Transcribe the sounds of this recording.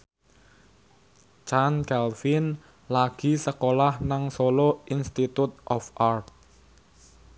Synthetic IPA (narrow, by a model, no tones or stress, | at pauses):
t͡ʃankɛlfɪn | laɡ̥i̤səkolahnaŋsoloinst̪it̪ut̪̚ʔɔfʔart̪̚